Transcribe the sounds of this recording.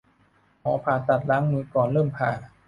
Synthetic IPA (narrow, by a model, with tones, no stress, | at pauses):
hɔː˨˦pʰaː˨˩nt̪a˨˩t̪̚la˧˦˥ŋmɯː˧˥kɔː˨˩nlɤː˥˩mpʰaː˨˩